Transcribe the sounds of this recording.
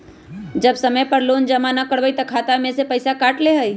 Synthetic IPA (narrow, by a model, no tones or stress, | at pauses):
d͡ʒəbsəməjpəɾlond͡ʒəmanəkəɽʋəjt̪əkʰat̪amẽsepəɪsakaʈleɦəj